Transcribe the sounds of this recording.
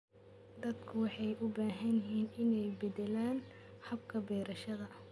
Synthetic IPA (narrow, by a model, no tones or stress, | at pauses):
d̪ɐd̪kʰʊwɑħɑjʔʊbaːɦɐnɦiːnɪnɛjbɛd̪ɛlaːn | ħɐb̚kʰɐbɛːɾɐʃɐðɐ